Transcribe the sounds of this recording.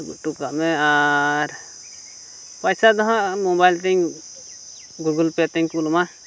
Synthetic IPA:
ʈukameaɾ | pəjsad̪ɔɦãmobajlt̪ĩŋ | ɡuɡəlpet̪ĩŋkulmã

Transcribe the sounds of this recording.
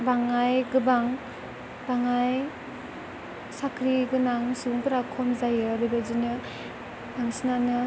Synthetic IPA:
baŋajɡɯbaŋ | baŋaj | sakʰɾiɡɯnaŋsuŋpɯɾakʰɔmzajɯɾɯbɯzinɯ | daŋsinanɯ

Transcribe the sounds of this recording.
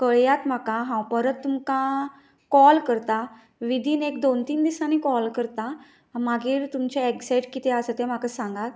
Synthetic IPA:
kəɭjat̪m̤akaɦãwpəɾət̪ːumkã | kɔlkəɾt̪a | ʋid̪ʱiːnekd̪ont̪iːnd̪isanikɔlkəɾt̪a | maɡiːɾt̪umt͡ɕeeksajʈkit̪ɛasət̪ɛ̃m̤akasãŋɡat̪

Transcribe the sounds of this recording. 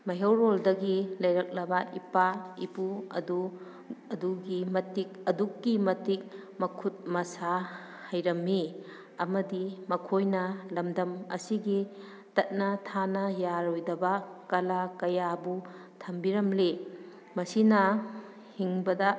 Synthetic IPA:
mɐɦɐwɾoldɐɡilɐjɾɐk̚lɐbaipaipuɐ̰du | ɐduɡimɐtik̚ɐdukːimɐtik̚mɐkʰut̚mɐsa | hɐjɾɐmːi | ɐmɐdimɐkʰojnɐlɐmdɐmɐ̰siɡi | tɐt̚nɐtʰanɐjaɾojdɐbɐkɐlakɐjabu | tʰɐmbiɾɐmli | mɐsinɐ | hiŋbɐdɐ

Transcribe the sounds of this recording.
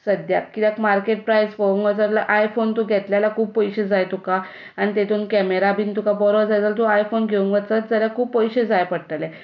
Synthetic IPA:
səd̪ja̰kkːit̪akmaɾkeʈ̚pɾajspəʋuŋɡət͡səɾlaʔajfont̪oɡʱɛt̪ljalakʰuːb̚pɔjɕed͡zajt̪uka | añit̪et̪ʰuːnkɛmeɾabʱint̪ukabɔɾɔd͡zajd͡zalt̪uajfonɡʱeuŋɡʋət͡sət̪̚d͡zəljakʰuːbpəjɕed͡zajpəɽʈ̪əlɛ

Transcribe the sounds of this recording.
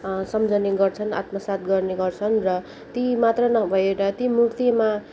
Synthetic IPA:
sʌmd͡zʌneɡʌrt͡sʰʌna̰t̪mʌsat̪̚ɡʌrneɡʌrt͡sʰʌnrʌ | t̪imat̪rʌnʌbʱʌeɾʌt̪imurt̪jema

